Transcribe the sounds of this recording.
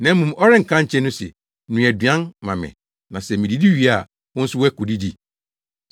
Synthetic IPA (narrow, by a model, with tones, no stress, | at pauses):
nã˨˦m˦mũ˨mɔ˦ɾɪ̃˦ŋ̩˨kʰã˦ɲ̩˨t͡ɕʰɛ̃˦nʊ̃˦sɛ̰˨˦ | nũ˨ɛ˨dɥã˦nmã˨mɪ̰̃˨ | nã˨sɛ˨mĩ˨di˨di˦ɥi˨a˦˨ | ʊ̃˦n̩˦sʊ˦wɛ˦kʊ˨di˦di˦